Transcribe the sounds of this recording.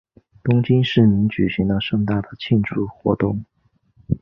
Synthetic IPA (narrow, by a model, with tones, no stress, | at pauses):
t̪ʊ˥ŋt͡ɕi˥nʂɻ̩˥˩mi˧˥ŋt͡ɕy˨˩ɕi˧˥ŋd̪ə˧ʂɤ˥˧ŋt̪a˥˩d̪ə˩t͡ɕʰi˥˧nʈ͡ʂʰu˥˩xwɔ̰˧˥t̪ʊ˥˩ŋ